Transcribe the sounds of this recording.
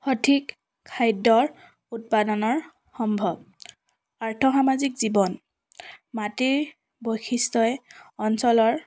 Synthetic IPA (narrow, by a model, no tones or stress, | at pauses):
xɔtʰik | kʰːajdɔɹ | ut̚padɔnɔɹ | xɔmbʱɔb̚ | aɹtʰɔxamazikzibɔn | matiɹ | bojxʰistɔɛɔnsɔlɔɹ